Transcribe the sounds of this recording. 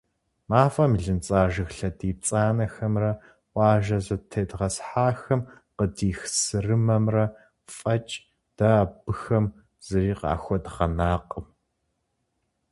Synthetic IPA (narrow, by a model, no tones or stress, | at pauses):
maːfɐmiɮɨnt͡sʼaːʒɨxɬɐdiːt͡sʼaːnɐxɐmrɐ | ʔʷʼɑːʒɐzɐtʰɐjdʁɐsħaːxɐm | qədiːxsɨrɨmɐmrɐ | fʼɐt͡ʃʼ | d̥ɐbɨxɐm | z̥ɨriːqɑ̰ːxʷɔdʁɐnaːqʼəm